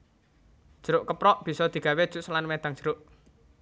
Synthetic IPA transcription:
d̥ʒ̥əɾʊʔkəpɾɔʔb̥i̤sɔd̪̥i̤ɡ̥a̤wed̥ʒ̥ṳʔsəlanmed̪̥aŋ̥ʒ̥ə̤ɾʊʔ

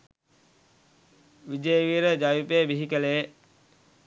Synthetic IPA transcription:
ʋid͡ʒəjəʋiːɾəd͡ʒajupebiɦikələjə

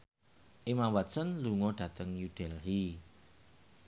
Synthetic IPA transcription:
ʔimamwat̪sənluŋɔɖ̥ä̤t̪əŋjuɖ̥ɛlɦi

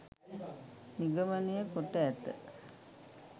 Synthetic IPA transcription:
niɡəmɐnijəkoʈːəæt̪ːə̰

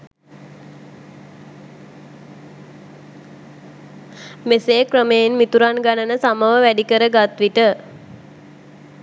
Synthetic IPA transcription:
meseːkrəmeinmit̪uɾanɡanənəsaməʋəʋæɖikəɾəɡat̪ʋiʈə

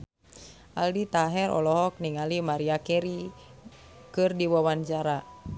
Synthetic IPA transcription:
ʔaldit̪aɦɛɾɔ̰lɔɦɔk̚niŋalimaɾiakɛɾi | kɨrdiwawaɲt͡ʃaɾa

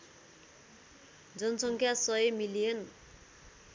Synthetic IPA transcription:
d͡zʌnʌsʌŋkʰjasʌemilijʌn

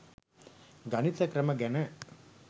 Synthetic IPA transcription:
ɡɐnit̪ɐkɾɐmɐɡɛnɐ

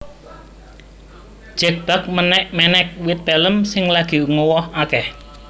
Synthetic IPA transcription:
d̥ʒ̥ɛk̚b̥a̤k̚mənɛʔmɛnɛk̚wɪt̪̚pɛləmsɪŋlaɡ̥i̤ŋowɔhakɛh

